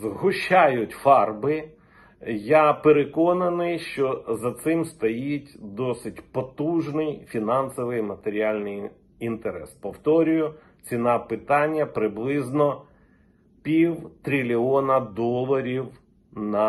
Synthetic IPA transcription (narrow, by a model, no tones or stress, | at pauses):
zɦʊʃt͡ʃajʊtʲfɑrbɪ | japeɾekɔnɐnɪjʃt͡ʃɔzɐt̪sɪmst̪ɔjitʲd̪ɔsɪtʲpɔt̪uʒnɪjfʲinɑnsɔʋɪjmɐt̪eɾʲialʲnɪj | int̪eɾɛ̰spɔwt̪ɔɾʲʊjʊ | t͡sʲinɑpɪt̪ɑnʲːɐpɾɪblˠɪznɔ | pʲiwt̪ɾʲilʲiɔnɐd̪ɔlˠɐɾʲiw | nɐ